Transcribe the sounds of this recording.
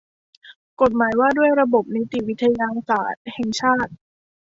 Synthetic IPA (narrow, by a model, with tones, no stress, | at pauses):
ko˨˩t̪̚maː˩˦jwaː˥˩du˥˩əjɾa˧bo˨˩p̚ni˦˥t̪i˨˩wi˦˥t̪ʰːa˧jaː˧saː˨˩t̪̚hɛ˨˩ŋt͡ɕʰaː˥˩t̪̚